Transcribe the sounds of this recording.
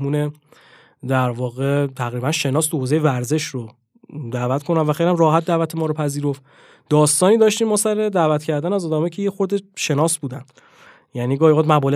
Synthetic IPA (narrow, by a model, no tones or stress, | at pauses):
muːne | d̪æɾvɒːɣe̞t̪ʰæɣɾiːbænʃe̞nɒːst̪ohozejevæɾze̞ʃɾo | d̪æːvæt̪kʰo̞næmvæxejlihæmrɒːɦæt̪̚d̪æːvæt̪ʰemɒːɾopʰæziːɾo̞ft̪ | d̪ɒːst̪ɒːniːd̪ɒːʃt̪iːmːɒːsæɾe̞d̪æːvæt̪cʰæɾd̪ænæzɒːd̪ɒːmɒjcʰejexoɾd̪eʃe̞nɒːsbuːd̪æn̥ | jæniːɡɒːhixoːd̪mæbɒːle